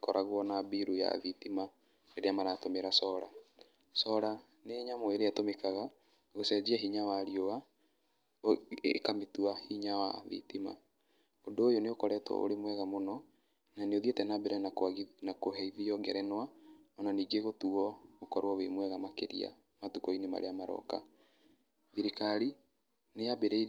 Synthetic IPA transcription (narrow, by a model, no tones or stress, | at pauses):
kɔɾʔaɣwɔnabiɾuja̰ðitima | neɾeamaɾatomeɾasɔɾa̰ | sɔɾa | neːɲamoeɾeatomekaɣa | ɣosɛd͡ʒiaɦiɲawaɾioɣa | kametuahiɲawa̰ðḭtima̰ | odoːjoneokɔɾɛtwɔ̰ʔo̰ɾemwɛɣamonɔ | naneoðietɛnabeɾɛnanakoɦɛiðiɔɡɛɾɛnwaɔnaniːɡeɣotuɔɣokɔɾwɔwemwɛɣamakeɾḭa̰ | matukɔinema̰ɾḛamaɾɔ̰ka̰ | ðiɾekaɾi | nejabeɾɛi